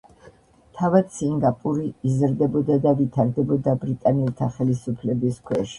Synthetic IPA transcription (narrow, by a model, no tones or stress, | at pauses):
t̪ʰavad̪̥siŋɡapʼuɾiːzɾd̪ɛbɔd̪ad̪avit̪ʰaɾd̪ɛbɔd̪abɾit̪ʼanɛlt̪ʰaχɛlisupʰlɛbiskʰwɛʃi̥